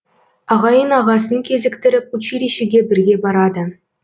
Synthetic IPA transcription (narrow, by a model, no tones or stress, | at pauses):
ɑʁɑjɤnɑʁɑs̬ɤ̆nkʲezʲɘ̆kt̪ʲɘ̆ɾʲɘ̆p̚ut͡ɕiɾʲiɕɘ̆ɡʲebʲɘ̆rɡʲebɑɾɑd̪ɤ̆